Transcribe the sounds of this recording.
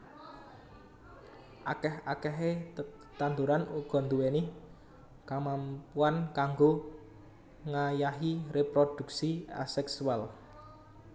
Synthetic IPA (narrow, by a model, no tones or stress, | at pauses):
ʔakɛhakɛɦe | t̪and̪uɾanuɡ̥ɔ̤nd̪uwenɪh | kamampuankaŋɡo | ŋajaɦirepɾod̪̥ṳk̚sia̰sɛksual